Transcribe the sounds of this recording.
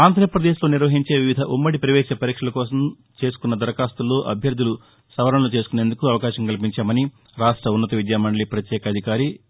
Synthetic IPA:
aːnd̪ʱɾɐpɾɐd̪eːʃlo̞ːniɾʋɐɦiɲt͡ʃeːʋiʋid̪ʱɐʔumːɐɽipɾɐʋɛːʃɐpɐɾiːkʂɐlɐkɔːs̬ɐm | t͡ʃe̞ːs̬u̥kunːɐd̪ɐɾɐkaːst̪ulːo̞ːʔɐ̰bʱjɐɾd̪ʱːulu | sɐʋɐɾɐɳɐlut͡ʃeːsukune̞ːnd̪ukuɐʋɐkaːʃɐmkɐlipiɲt͡ʃaːmɐni | ɾaːʂʈɾɐunːɐt̪ɐʋid͡ʒ̪jaːmɐɳɭipɾɐt̪jɛːkɐɐd̪ʱikaːɾi

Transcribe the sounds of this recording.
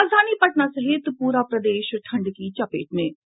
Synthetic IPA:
aːzd̪ʱaːniːpəʈnaːsəɦeːt̪puːɾaːpɾəd̪eːʃʈʰəɳɖkiːt͡ʃəpḛːʈnẽː

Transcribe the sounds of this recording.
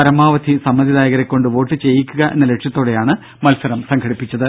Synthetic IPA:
ɐɾɐmaːʋɐd̪ʱisɐmːɐd̪iðaːjɐɣɐɾekʲːo̞ɳɖɨʋo̞ːʈːɨt͡ɕe̞jːikʲːuɣɐʔe̞nːɐle̞ʈʂjɐt̪ːoːɽe̞jaːɳɨ | mɐlsɐɾɐmsɐŋɡʰʱɐɽipːit͡ɕːɐðɨ

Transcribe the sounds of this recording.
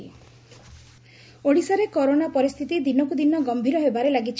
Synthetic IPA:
i | oɽisaɾekɔɾonapɔɾist̪ʰit̪id̪inɔkud̪inɔɡɔmbʱiɾɔɦebaɾelaɡit͡ʃʰ

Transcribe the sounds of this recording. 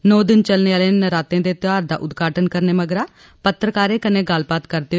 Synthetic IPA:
noːd̪ɪnt͡ʃəlneːaːlennəɾaːt̪ẽːd̪eːt̪ɪaːɾd̪a̰ːʔʊd̪ɡʱaːʈənkəɾneːməɡɾaː | pət̪ɾəkaːɾeːkəneːɡəlpaːt̪kəɾd̪eː

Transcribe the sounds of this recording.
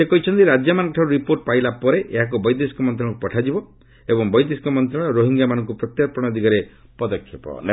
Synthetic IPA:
sekɔɦit͡ʃʰɔnt̪iɾad͡ʒjamanɔŋkɔʈʰaɾuɾipoɾʈ̚pailapɔɾeʔeɦak̬ubɔjd̪esi̥kɔmɔnt̪ɾɔɭɔ̃ŋkupɔʈʰad͡ʒibɔ | ebɔŋbɔjd̪esi̥kɔmɔnt̪ɾɔɭ̃ɔɾoɦiŋɡamanɔŋkupɾɔt̪japɔɽ̃ɔd̪iɡaɾepɔd̪ɔkʰːjepɔ̰n

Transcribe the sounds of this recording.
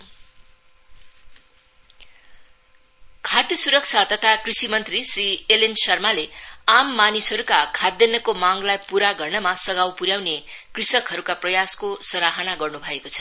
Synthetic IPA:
kʰat̪isuɾʌk̚t͡sʰat̪ʌt̪ʰakrisimʌnt̪risrielensʌrmaleamːanisɦʌɾukakʰad̪ːjʌnʌkomaŋlajpuɾaɡʌrnʌmasʌɡawpuɾjawnekrisʌkɦʌɾukaprʌjaskosʌɾaɦʌnaɡʌrnubʱʌekot͡sʰʌ̥

